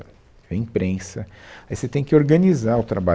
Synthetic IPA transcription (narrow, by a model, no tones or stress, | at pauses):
vẽĩpɾẽsɐaiset̪ẽj̃kɪoɾɡɐnizaɾʊt̪ɾaba